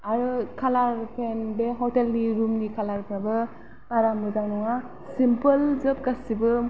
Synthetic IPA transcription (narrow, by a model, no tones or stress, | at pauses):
aɾɯkʰalaɾpʰenbeɦɔtelniɾumnikʰalaɾpʰɾabɯ | paɾamɯzaŋnɔŋa | simpəlzɯp̚kasibɯ